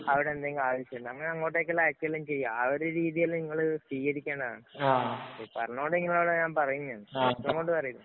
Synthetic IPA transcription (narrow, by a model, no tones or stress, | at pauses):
ɐʋiɽeːnd̪ɐjŋɡɭaːʋiɕjɐɳɖɐŋːɐɐŋːo̞ːʈːek̬ːɐlːakːɐlumt͡ɕe̞jːaɐʋoɾeɾiːðijɐlniŋːɐɭɨsiːjeɽikʲːeːɳɖɐða̰ːɳɨaipɐrɐnoːɽiŋːɐɭoːɽeɲaːnpɐrɐjunːeːnɨikːɐŋɡo̞ːɳɖɨpɐrɐjɐ